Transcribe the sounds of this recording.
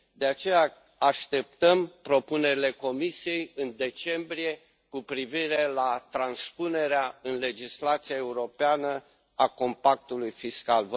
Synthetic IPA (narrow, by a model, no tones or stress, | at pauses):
d̪e̞at͡ʃe̞ja | aʃt̪e̞p̚t̪əmpɾo̞pune̞ɾile̞ko̞misije̞jɨnd̪e̞t͡ʃe̞mbɾije̞ | kupɾiviɾe̞lat̪ɾanspune̞ɾeaɨnle̞d͡ʒislat̪siae̞uɾo̞peanə | ako̞mpak̚t̪ulujfiskalv